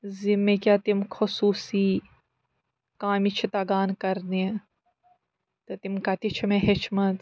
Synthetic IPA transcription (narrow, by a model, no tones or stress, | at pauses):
zimːekʲjat̪imkʰosuːsiː | kaːmit͡ʃʰit̪ɐɡaːnkɐɾne | t̪ɐt̪imkɐt̪it͡ʃʰimeɦet͡ʃʰmɐt̪